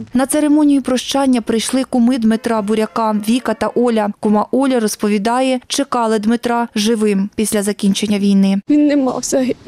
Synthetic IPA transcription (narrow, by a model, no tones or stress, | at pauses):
nɐt̪seɾemɔnʲijipɾɔʃt͡ʃɑnʲːɐpɾɪjʃlˠɪkʊmɪd̪mɪt̪ɾɑbʊɾʲɐkɑʋʲikɐt̪ɐʔɔlʲɐkʊmɑʔɔlʲɐɾɔspɔʋʲid̪ɑjɛt͡ʃekɑlˠɪd̪mɪt̪ɾɑʒɪʋɪmpʲisʲlʲɐzɐkʲinʲt͡ʃenʲːɐʋʲijnɪʋʲinːɛmɑ̰wsʲɐɦi